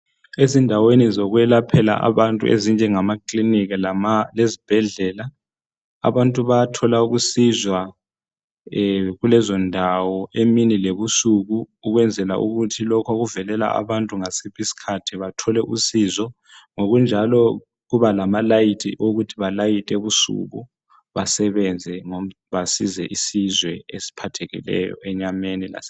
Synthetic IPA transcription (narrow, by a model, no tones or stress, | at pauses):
ezindʱawenizoɣwɛlapʰɛla̰ʔa̰βantʼṵʔḛzind͡ʒʱɛŋamakʼliniɣilamalezib̥ʱɛɮɛla | a̰βantʼuβatʰɔlauɣusizwa | ɣulɛzɔndʱawɔʔeminileβusuɣuːɣwɛnd͡zʱɛlaʔṵɣutʰilɔkʰaɣuvɛlɛla̰ʔa̰βantʼuŋasipisi̥kʰatʰiβatʰɔlɛʔusizɔ | ŋoɣund͡ʒʱalɔ | ɣuβalamalajitʼʰḭʔoɣutʰiβalajitʼɛβusṵɣṵ | βasɛβɛnd͡zʱɛŋo | βasizɛʔisizwɛesi̥pʰatʰɛɣḭlɛ̰jɔ̰ɛɲamenila̰s